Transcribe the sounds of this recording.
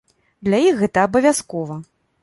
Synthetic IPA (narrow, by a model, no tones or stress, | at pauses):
d̪lʲajixːɛt̪ɐːbɐvʲaskɔvɐ